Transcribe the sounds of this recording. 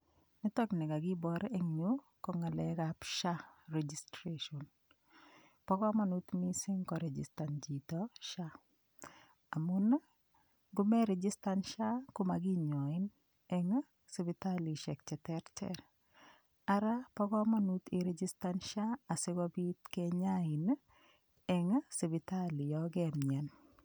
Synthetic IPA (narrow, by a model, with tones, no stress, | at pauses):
ni˦tɔ˦knɪ˨ka˨ɡɪ˦bɔ˨ɾeŋɲu | kɔ˨ŋa˨lɛ˨kapʃa˦ɾɛd͡ʒi˨stɾeʃɔ˨n | pɔ˦kɔ˦ma˦nu˦t̪mi˦sɪ˦ŋkɔ˨ɾɛ˨d͡ʒɪ̰˨sta˨nd͡ʒi˨tɔʃa˦ | a˨mu˦na˦ | ɡʊ˦mɛ˦ɾɛ˨d͡ʒɪ˦sta˦nʃa˦kʊ˦ma˨ɡɪ˦ɲɔ˨ɪ˦n | ɛŋ˦ | sɪ˨bi˨ta˦li˨ʃɛ˨k̚t͡ʃɛ˨tɛ˦ɾtɛ̰ɾ | a˦ɾa˦pɔ˦kɔ˦manut̪ɪ˨ɾɛd͡ʒi˦stanʃa˦a˨sɪ˦ɡɔbi˦t̪kɛɲa˦ɪ˨n | ɛ˨ŋsɪ˨bɪ˨ta˦lɪ˨jɔɡɛmɲɛ˨n